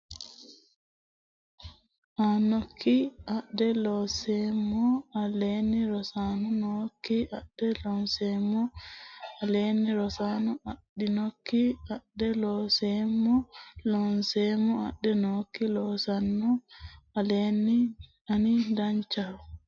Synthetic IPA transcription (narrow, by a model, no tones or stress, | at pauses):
ʔanokʰːiʔaɗɛlɔsɛmɔaleniɾɔsanɔnokːiaɗːɛlɔnsɛmɔ | aleːniɾɔsanɔʔaɗːinokːiaɗːɛlɔsɛmɔlɔnsɛmɔa̰ɗːɛnokːilɔsanːɔaleni | anindaɲt͡ʃaɾ